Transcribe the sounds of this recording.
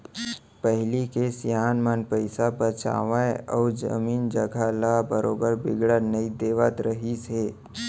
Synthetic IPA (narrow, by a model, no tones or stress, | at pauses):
pəɦɪlikesjaːnmənpəɪsabət͡ʃa̰ːʋaeɔːɾd͡ʒə̰miːnd͡ʒəɡʱalabəɾoːbəɾbɪɡɽənəid̪eːʋət̪ɾəɦiseː